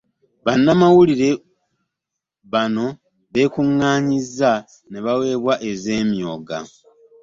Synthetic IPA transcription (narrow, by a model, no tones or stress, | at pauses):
βanːamawuliɾe̞ | βano̞ | βe̞ːkuŋːaːɲizːa | ne̞βawe̞ːβwaʔe̞ze̞ːmjo̞ːɡa̰